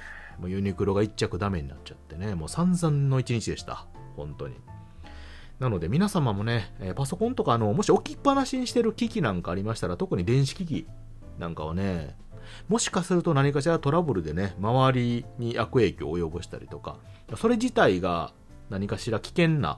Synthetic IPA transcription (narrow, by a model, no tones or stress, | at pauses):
mojɯ̟ɲ̟ikɯ̟ɾo̞ɡait͡ɕt͡ɕakɯ̟d̪ame̞ɲ̟ina̰t͡ɕat̪ːe̞ne̞mo̞ːsãnzãnːo̞it͡ɕiɲ̟it͡ɕid̪e̞ɕi̥t̪a̰ | hõ̞nt̪o̞̰ɲ̟ḭ | nano̞d̪e̞mʲinasamamo̞ne̞paso̞kõ̞nt̪o̞kaːno̞mo̞ɕio̞kʲipːanaɕiɲ̟iɕi̥t̪e̞ɾɯ̟kʲikʲinãŋkaːɾʲimaɕi̥t̪aɾat̪o̞kɯ̟ɲ̟id̪ẽ̞ɰ̃ɕi̥kʲikʲḭ | nã̰ŋkaβ̞a̰ne̞ | mo̞ɕi̥kasɨɾɯ̟t̪onaɲ̟ikaɕiɾat̪o̞ɾabɯ̟ɾɯ̟d̪e̞ne̞maβaɾʲiɲ̟ijʔakɯ̟e̞ːkʲo̰ːjo̞bɯ̟ɕi̥t̪a̰ɾʲḭt̪o̞ka̰ | so̞ɾe̞d͡ʑit̪aiɡa̰ | naɲ̟ikaɕiɾakʲi̥kẽ̞nːa̰